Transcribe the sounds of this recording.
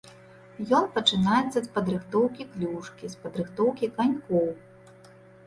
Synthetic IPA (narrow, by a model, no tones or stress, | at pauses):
jɔnpɐt͡ʂɨnajɛt̪sːɐspɐd̪ɾɨxt̪ɔwkʲiklʲuʂkʲispɐd̪ɾɨxt̪ɔwkʲikanʲkɔw